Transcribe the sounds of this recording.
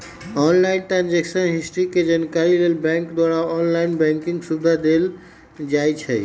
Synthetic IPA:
ɔnlainʈɾand͡ʒeksənɦisʈɾiked͡ʒankaɾilelbɛ̃ŋkd̪waɾaɔnlainbɛ̃ŋkiŋɡsubd̪ʱad̪el | d͡ʒajt͡ʃʰɛ

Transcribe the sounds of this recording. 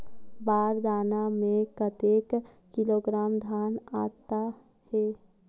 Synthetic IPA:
baːɾd̪aːnamẽkət̪ek | kɪloɡɾaːmd̪ʱaːnaːt̪a | he

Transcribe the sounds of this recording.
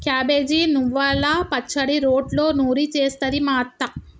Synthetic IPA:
kjaːbeːd͡ʒinuʋːaːlːaːpɐt͡ʃːɐɽiɾoːɖlo̞ːnuːɾit͡ʃeːst̪ɐɾimaːt̪ːɐ

